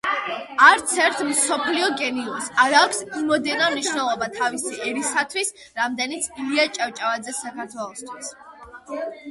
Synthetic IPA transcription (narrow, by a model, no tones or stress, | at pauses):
aɾt̪sʰɛɾt̪ʰmsɔpʰliɔɡɛniɔsaɾaːkʷʰsimɔd̪ɛnamniʃnɛlˠɔbat̪ʰavisiʔɛɾisat̪ʰwis | ɾamd̪ɛnit̪sʰiliat͡ʃʼavt͡ʃʼavad̪zɛsakʰaɾt̪ʰwɛlˠɔst̪ʰwis